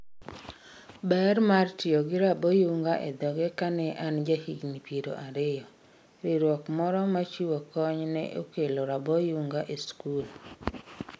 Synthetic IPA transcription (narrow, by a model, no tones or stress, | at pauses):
bɛɾmartɪoɡɪɾabɔjuŋɡaʔed̪ɔɡɛkanɛʔand͡ʒahiɡnipiɾo̰ʔaɾɪjɔ | ɾiɾwɔkmɔɾɔmat͡ʃiwokɔɲnɛ̰ʔo̰keloɾabɔjuŋɡaʔeskul